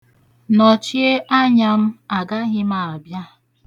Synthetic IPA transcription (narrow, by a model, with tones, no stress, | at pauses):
nɔ˨t͡ʃi˦e˦ʔa˦ɲa˨m̩˦a˨ɡa˦ɣɪ˦ma˨a˨bja˦